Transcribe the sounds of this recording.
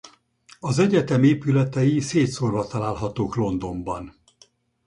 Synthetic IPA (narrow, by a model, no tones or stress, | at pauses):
ɒzɛɟɛt̪ɛmeːpylɛt̪ɛjiseːt̪sorvɒt̪ɒlaːlɦɒt̪oːklo̞nd̪o̞mbɒn